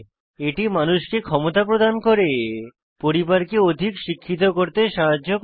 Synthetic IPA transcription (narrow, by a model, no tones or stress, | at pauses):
eʈimanuʃkekʰɔmot̪apɾod̪ankoɾe | poɾibaɾkeod̪ʱikʃikʰːit̪̬okoɾt̪eʃaɦad͡ʑːok